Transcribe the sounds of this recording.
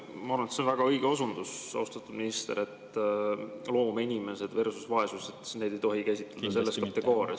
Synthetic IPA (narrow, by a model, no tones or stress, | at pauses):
mɑɑɾunet̪seonvæɡ̥ɑɤjɡ̥eosund̪̥usɑ̰wst̪ɑt̪ːˑud̪̥minist̪ḛʔet̪ː | lo̞ːmeinʲime̞se̞d̪versusvɑe̞suset̪ne̞jd̪̥e̞jt̪o̞ɦikæsʲit̪ˑled̪̥ɑse̞lːeskɑt̪ːe̞ɡ̥o̞ːɾḛs